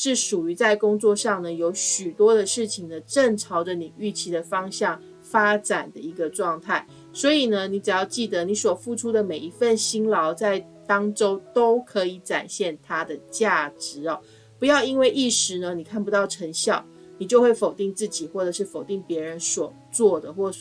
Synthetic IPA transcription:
ʂɻ̩˥˩ʂu˨˩y˧˥t͡sa˥˩ɪkʊ˥ŋt͡swɔ˥˧ʂɑ˥˩ŋnə˩jo˧˥ʊɕy˨˩t̪wɔ˥d̪ə˨ʂɻ̩˥˩t͡ɕʰi˩ŋd̪ə˦ʈ͡ʂə˥˩ŋʈ͡ʂʰɑ˧˥ʊʈ͡ʂə˧ni˨˩y˥˩t͡ɕʰi˧˥˩d̪ə˨fɑ˥ŋɕjɑ˥˩ŋ | fa˥ʈ͡ʂa˨˩nd̪ə˦i˧˥ɡə˧ʈ͡ʂwɑ˥˧ŋt̪ʰa˥˩ɪ | swɔ˧˥i˨˩nə˦ni˧˥t͡sa˨˩jɑ˥˧ʊt͡ɕi˥˩d̪ə˩ni˧˥˦swɔ˨˩fu˥˩ʈ͡ʂʰu˥d̪ə˨me˨˩ɪi˧˥fə˥˩nɕi˥ŋlɑ˧˥ʊt͡sa˥˩ɪ | t̪ɑ˥ŋʈ͡ʂo˥ʊt̪o˥ʊkʰɤ˧˥i˨˧˥ʈ͡ʂa̰˨˩nɕjɛ˥˩nt̪ʰa˥d̪ə˨t͡ɕja˥˩ʈ͡ʂɻ̩˧˥ɔ˩ | pu˧˥jɑ˥˩ʊi˥nwe˥˧ɪʔi˥˩ʂɻ̩˧˥nə˧ni˨˩kʰa˥˩npu˧˥t̪ɑ˥˩ʊʈ͡ʂʰə˧˥ŋɕjɑ˥˩ʊ | ni˨˩t͡ɕjo˥˧ʊxwe˥˩ɪfo˨˩ʊt̪i˥˧ŋt͡sɹ̩˥˩t͡ɕi˨˩xwɔ˥˩ʈ͡ʂɤ˨˩ʂɻ̩˥˩fo˨˩ʊt̪i˥˩ŋpjɛ˧˥ɻə˧˦nswɔ˨˩ | t͡swɔ˥˩d̪ə˩xwɔ˥˩

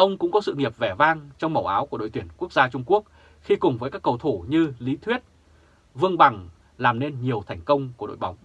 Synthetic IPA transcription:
ʔə˧wŋ͡mkʊ̰˧˥ŋ͡mkɔ˨˦sɨ̰˧˨ŋi˨˩əp̚vɛ˧˩vaː˧ŋt͡ɕɔ˧wŋ͡mmə˨˩wʔaː˨˦wku˧˩ɗo̰˧˨jt̪wi˧˩ənku˦˥ək̚zaː˧t͡ɕʊ˧ŋ͡mku˦˥ək̚ | xi˧kʊ˨˩ŋ͡mvəː˨˦jkaː˦˥kːə˨˩wt̪ʰo˧˩ɲɨ˧li˨˦t̪ʰwi˦˥ət̚ | vɨ˧əŋɓa˨˩ŋ | laː˨˩mne˧nɲi˨˩əwt̪ʰɛ˨˧˩jŋ̟kə˧wŋ͡mku˧˩ɗo̰˧˨jɓa˨˦wŋ͡m

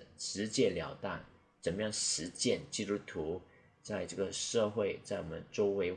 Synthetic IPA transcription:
ʂɻ̩˧˥t͡ɕjɛ˥˩ljɑ˨˩ʊt̪a̰˥˩n | t͡sə˨˩nəjɑ˥˩ŋʂɻ̩˧˥t͡ɕjɛ˥˩nt͡ɕi˥t̪u˥t̪ʰu˧˥ | t͡sa˥˧ɪʈ͡ʂɤ˥˩ɡə˩ʂɤ˥˧xwe˥˩ɪt͡sa˥˩ɪwɔ˨˩mə˦nʈ͡ʂo˥ʊwe˧˥ɪ

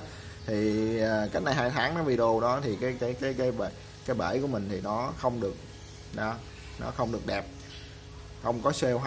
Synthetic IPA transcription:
t̪ʰiː˨˩˨ka˦˥t̚na˨˩jɦaː˧jt̪ʰaː˨˦ŋnɔ˨˦vi˨˩ɗo˧ɗɔ˨˦t̪ʰi˨˩kaː˨˦jkaː˨˦jkaː˨˦jkaː˨˦jɓ | kaː˨˦jɓə̰ː˧˩jku˧˩əmï˨˩ŋ̟t̪ʰi˨˩nɔ˨˦xə˧wŋ͡mɗɨ˨˩ək̚ | ɗɔ˨˦ | nɔ̰˨˦xə˧wŋ͡mɗɨ˨˩ək̚ɗɛ˨˩p̚ | xə˧wŋ͡mkɔ˨˦se˧wɦ

